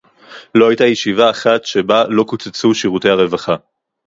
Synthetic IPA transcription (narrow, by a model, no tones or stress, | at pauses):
lo̞ajtajeʃivaːχatʃe̞balo̞kut͡set͡suʃiʁute̞jhaʁe̞vaχa